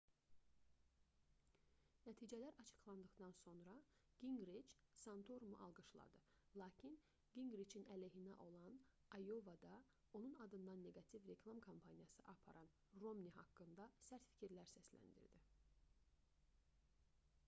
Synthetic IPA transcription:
næt̪ʰiːd͡ʒælæɾʔɑt͡ʃʰɯ̥χlˠɑnd̪ɯχd̪ɑnso̞nɾɑɡ̥iŋɡɾit͡ʃsɑnt̪ʰoɾumuʔɑ̰lˠɡɯʃlˠɑ̰d̪ɯ | lˠɑːcʰin | ɡ̥iŋɡɾit͡ʃʰinæleɦinæ̰ʔo̞lˠɑn | ɑjovɑd̪ɑ | o̞nunɑd̪ɯnd̪ɑnːe̞ɡɑt̪ʰivɾe̞kʰlˠɑmkʰompʰɑnijɑsɯʔɑpʰɑ̰ɾʔɑn | ro̞mnʲiɦɑ̰kːɯnd̪ɑsæɾt̪fi̥cʰiɾlæɾsæslæ̰nd̪ḭɾd̪i

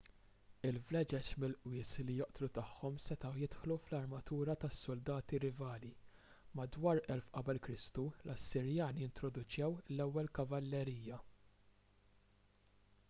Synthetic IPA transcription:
ɪlvlɛd͡ʒɛt͡ʃmɪlʔwɪːslijɔʔt̪lut̪ɐħːɔmsɛt̪ɐjɪt̪ħluflɐɾmɐt̪uːɾɐt̪ɐsːʊld̪ɐːt̪iɾɪvɐːli | mɐd̪wɐːɾʔɛlfʔɐbɛlkɾɪst̪ulɐsːɪɾjɐːnijɪnt̪ɾɔd̪ʊt͡ʃjɛwlɛwːɛlkɐvɐlːɛɾiːjjɐ

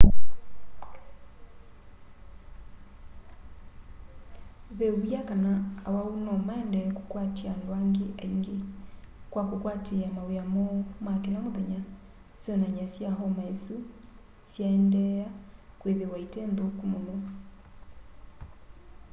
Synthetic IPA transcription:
βeujakanaːwaunɔmaɛndɛko̥kwatiandwaŋɡeʔaiŋɡe | kwakokwateamaweamɔmakenamoðɛɲa | sjɔnaɲasjaɦɔmaesu | sjaɛndɛjakweðewaitenðokumono

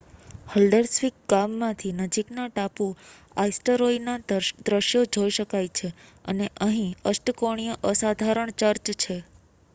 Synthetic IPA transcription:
həlɖəɾsʋik̚ɡamːãt̪ʰinəd͡ʒiknaʈapu | a̰isʈəɾoinad̪ɾəʃjod͡ʒojiʃəkajt͡ʃʰeəneʔəɦĩəsʈəkoɳ̃ijəʔəsad̪ʱaɾəɳt͡ʃəɾt͡ʃt͡ʃʰe

